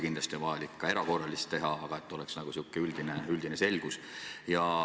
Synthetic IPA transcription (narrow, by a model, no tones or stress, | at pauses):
kind̪lɑst̪iovɑjɑlikːɑe̞ɾɑko̞rːɑlist̪ːe̞ɦɑɑɡ̥ɑet̪ˑːo̞lɛksnɑɡ̥usiuːkːˑeyld̪̥ineyld̪̥inese̞lɡ̥usjɑ